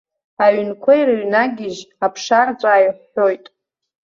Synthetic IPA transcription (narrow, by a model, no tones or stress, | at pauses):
aʕnkʷʰajɾɨɥnaɡʲɪʒapʰʂart͡sʷʼaːjħʷːo̞jtʼ